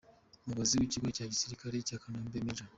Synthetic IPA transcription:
umuɡaziwiːciɡwecaːɟisiɾikaɾecakanaːmbemiɾa

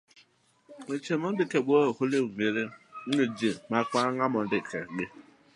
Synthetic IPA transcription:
ŋʷet͡ʃemɔn̩dɪkeɡ͡bohʊleumeɾeŋʊd͡ʒimakʷaŋamɔn̩dɪkeɡ͡be

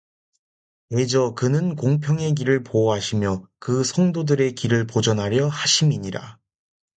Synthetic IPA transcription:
e̞d͡ʑʌkɯnɯnkoŋpʰjʌŋe̞ɡ̬iɾɯɭpoɦaɕʰimjʌkɯsʰʌŋdodɯɾe̞kiɾɯɭpod͡ʑʌnɦaɾjʌhaɕʰimiɲiɾa̰

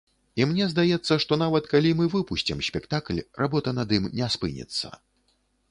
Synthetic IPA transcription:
imnʲɛzd̪ajɛt̪sːɐʂt̪ɔnavɐt̪kalʲimɨvɨpuɕʲt͡sʲimsʲpʲɛkt̪aklʲrʔabɔt̪ɐnɐd̪imnʲɛspɨnʲɛ̰t̪sːɐ̰

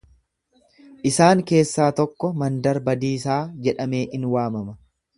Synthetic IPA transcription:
ʔɪsaːŋke̞ːsːaːt̪ɔkːɔmɐnd̪ɐɾbɐd̪iːsaːd͡ʒɛᶑɐme̞ːʔɪnwaːmɐmɐ

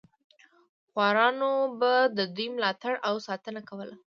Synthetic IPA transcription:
xwɑɾɑnobad̪əd̪ujmlɑt̪aɽawsɑt̪ənakawəla

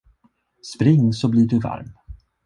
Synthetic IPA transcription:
spɾɪŋːsɔbliɖɵva̰ɾm

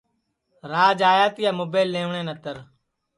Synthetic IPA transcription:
ɾaːd͡ʒaːjaːt̪iːjaːmoːbeːlːẽːʋɳẽːnət̪əɾ

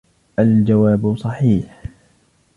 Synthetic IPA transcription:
ʔald͡ʒawaːbsˤɑħiːħ

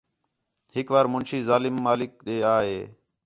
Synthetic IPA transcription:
hɪkʋaːɾmʊnʃiːzaːlɪmːaːlɪk̚ɗeːaːɦeː

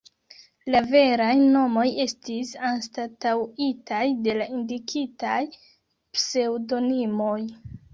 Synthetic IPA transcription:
lave̞ɾajno̞mo̞je̞stisanstatawitajde̞laʔindikʰitaj | pse̞wdo̞nimo̞j

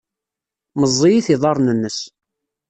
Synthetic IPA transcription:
məzˤːijiθiðˤɑɾˤnənːəs

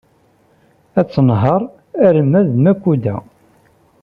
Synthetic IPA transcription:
æt͡sːənɦəɾˤ | æɾəmːæðmækʷːud̪æ

